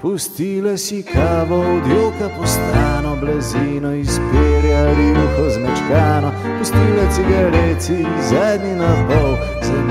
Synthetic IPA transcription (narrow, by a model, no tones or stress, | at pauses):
pust̪ilasikʰaːʋɔd̪jokɐpɔst̪ɾaːnɔblɛziːnɔispeljaɾilikɔzmɛt͡ʃkaːnɔ | pust̪ilat̪siɡɐɾɛt̪i | zɛd̪ninɐpɔw | za